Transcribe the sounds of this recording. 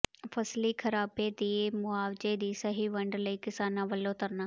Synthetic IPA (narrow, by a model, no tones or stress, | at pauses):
fʰəsliːkʰəɾaːbed̪iemʊaːwd͡ʒed̪iːsəɦiʋəɳɖləikɪsaːnãʋəlːõt̪əɾnaː